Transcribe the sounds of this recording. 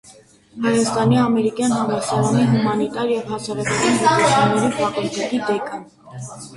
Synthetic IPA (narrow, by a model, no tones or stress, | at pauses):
hɑjɑst̪ɑniɑmɛɾikjɑnɦɑnd̪ɛɾsɑɾɑniɦumɑnit̪ɑɾjɛvhɑsɑɾɑkɔkɑnpɑɑt͡sʰunnɛɾipɑkɔɾd̪ɛk̪id̪ɛkə